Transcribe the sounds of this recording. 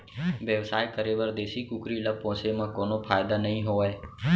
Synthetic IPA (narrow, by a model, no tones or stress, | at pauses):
ʋjəʋsaːjkəɾeːʋəɾd̪eːsikukɾilapõːsemãkoːnopʰaːjd̪anəɦĩɦoːae